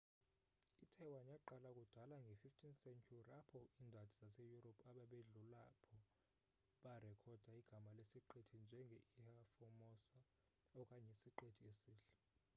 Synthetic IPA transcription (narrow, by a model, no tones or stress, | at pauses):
itʰɛwaɲaǃalakʼud̥ʱalaŋɡʱɛfiftʰinsɛnkʰurapʰɔiːndʱatʰizasejuropʰʼaɓaɓeɮulapʰɔ | ɓarɛkʰɔd̥ʱaiɡ̥ʱamalesiǃetʰind͡ʒʱɛŋɡʱɛihafɔmɔsa | ɔkʼaɲɛsiǃetʰiesiːɬɛ